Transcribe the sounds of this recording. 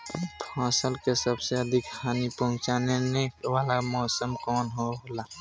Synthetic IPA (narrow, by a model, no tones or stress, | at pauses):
pʰaːsəlkesəbseəd̪ʱɪkxʰaːnipəɦʊ̃t͡ʃaːnenewaːlamɔːsəmkɔːnɦoɦola